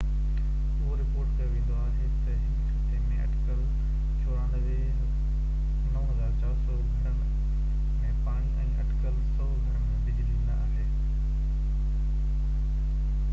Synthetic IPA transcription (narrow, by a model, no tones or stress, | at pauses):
oɾɪpoːɾʈkɐjoʋẽːn̆d̪oaːɦeːt̪ɐɦɪ | emẽʔɐ̰ʈkəl | t͡ɕʰoːɾãːnd̪əʋe | nɐɦɐzaːɾt͡ɕaːɾsɔːɡʱɐ̃ɳɖəɽɪ̆ | mẽːpaːɽ̃iʔɛ̃ːʔɐ̰ʈkəlsɔːɡʱɐɳ̃əɳmẽbɪd͡ʑʋẽːnd̪aaːɦeː